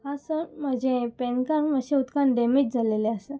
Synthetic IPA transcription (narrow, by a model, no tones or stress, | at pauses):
hasənm̤əd͡ʑepenkaɾməɕeut̪kanɖemed͡ʑd͡zʱaleleəsə